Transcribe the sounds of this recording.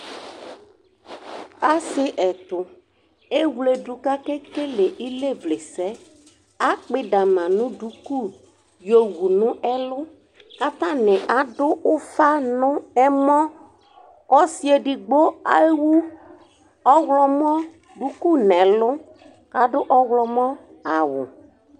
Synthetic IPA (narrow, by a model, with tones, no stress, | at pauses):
a˦sɪ˦ʔɛ˨tʊ˨ | e˦wle˨du˨ka˦ke˦ke˦lɪ˨ʔi˦le˦˨vle˨sɛ˦ | a˦k͡pɪ˦da˨mã˨nʊ̃˦du˨˦ku˦˨ | jo˨wu˨nʊ̃˦ʔɛ˦lʊ˦ | ka˦t̪ã˦nɪ˨ʔa˨dʊ˦ʔʊ˦fa˦nʊ̃˦ɛ˦mɔ˦ | ɔ˦si˦e˨dɪ˨ɡ͡bo˦a˨˦wu˦ | ɔ˦ɣlɔ˦m˦ɔ̃˦ | ɖu˨˦ku˦˨nɛ̃˨lʊ˦ | ka˨˦dʊ˦ʔɔ˦wlɔ˨mɔ˦ | a˨wʊ˨